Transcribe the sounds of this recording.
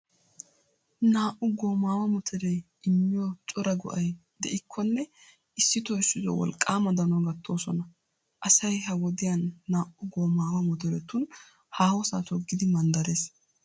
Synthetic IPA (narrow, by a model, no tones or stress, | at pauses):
naːʔʊɡoːmaːwɐmɔt̪ʰɛɾɛ | ɪmːɪjɔt͡ʃʼɔɾɐɡʊ̰ʔɐj | d̪ɛʔɪkʰːɔnːɛ | ɪsːɪt̪ɔɪsːɪzɔ̰wɔ̰lkʼːaːmɐd̪ɐnɔɡɐt̪ːo̞ːsɔnɐ | ʔɐsɐjɦɐwɔd̪ɪjɐnːaːʔʊɡoːmaːwɐmɔt̪ɛɾɛt̪ːun | haːhɔsa̰ːt̪ɔɡːɪd̪ɪmɐnd̪ɐɾe̞ːs